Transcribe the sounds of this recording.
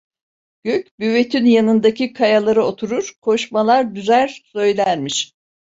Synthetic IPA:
ɟ̥øc̚byve̞t̪ʰynjanɯnd̪acikʰajalˠaɾɯot̪ʰuɾuɾ̥kʰo̞ʃmalˠaɾd̪yzæɾsø̞jlʲæɾmiʃ

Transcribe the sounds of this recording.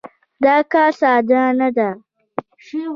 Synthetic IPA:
d̪ɑːkɑsaːd̪anad̪a

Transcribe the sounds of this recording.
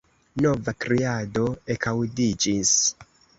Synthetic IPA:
no̞vakɾiadoekʰawdid͡ʒis

